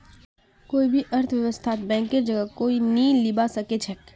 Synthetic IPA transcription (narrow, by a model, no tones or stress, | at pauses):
koːibʱiʔɐɾt̪ʰʋjɐʋəst̪ʰaːt̪̚bɛ̃ːŋkːed͡ʒɐɡəkoːinilɪbasɐket͡ʃʰɛk